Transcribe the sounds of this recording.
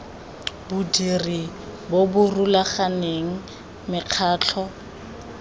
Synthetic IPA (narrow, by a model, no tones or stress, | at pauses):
bʊdiribobʊrulaχaneŋ̩ | mɪq͡χʰaːt͡ɬʰɔ